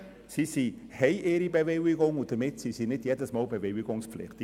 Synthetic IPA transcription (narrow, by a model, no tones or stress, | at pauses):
sisi | hɛɪʔɪːɾibevewɪɡʊŋʊnt̚d̥əmɪtsisinɪdjedəsmɑːlbeveɪɡʊŋsflɪ̰χtɪ